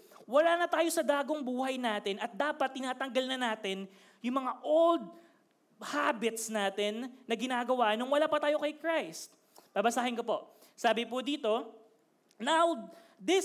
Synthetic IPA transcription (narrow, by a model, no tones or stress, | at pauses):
wɐlaːnɐt̪aːjo̞sɐd̪aːɡoŋbuːhɐjnaːt̪ɛnɐt̪̚d̪aːpɐt̪̚ːɪnaːt̪ɐŋɡɐlnɐnaːt̪ɛn | jʊŋmɐŋaʔold̪̚ | haːbɪt̪snaːt̪ɛnːɐɡɪnaːɡɐwaːʔnoŋwɐlaːpɐt̪aːjokɐjkɹajst̪̚ | b̥aːbɐsaːhɪnkopo̞ | saːbɪpʊd̪iːt̪o̞ | naw | d̪ɪ